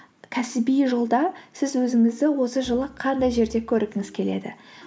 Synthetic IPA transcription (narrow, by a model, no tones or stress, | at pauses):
kʲʰæsɪbijʒolˠd̪ɑsɪzwɵzɪŋɪzd̪ɪwo̞səʒəlˠəqʰːɑnd̪ɑjʒe̞ɾd̪e̞kʲʰɵɾɪɡʲɪŋɪz̥kʲʰe̞le̞̰d̪ɪ̰